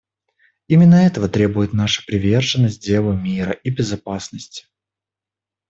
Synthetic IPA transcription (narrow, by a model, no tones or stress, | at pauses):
imʲɪnːəɛt̪əvət̪ɾʲe̞bʊjɪt̪naʂə̥pɾʲɪvʲe̞rʐɨnːəsʲt̚ʲdʲelˠəmʲiɾə̰ʔibʲɪzɐpasnəsʲtʲɪ̥